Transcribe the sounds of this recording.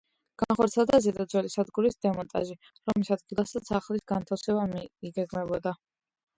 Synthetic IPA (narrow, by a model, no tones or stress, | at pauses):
ɡ̥anχɔɾt̪sʰiɛlˠd̪azɛd̪ad̪zwɛlisad̪ɡuɾisd̪ɛmɔnt̪ʼa̰ʒi | ɾɔmisad̪̚ɡilˠasat̪sʰaχlisɡant̪ʰafsɛbamiiɡɛɡmɛbɔd̪a